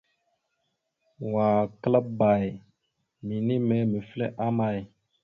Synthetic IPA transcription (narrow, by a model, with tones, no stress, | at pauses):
wa˨kə˦lə˦ba˨j | mi˨ni˦me˨˦mə˨flḛ˦ʔa˦ma˦˨j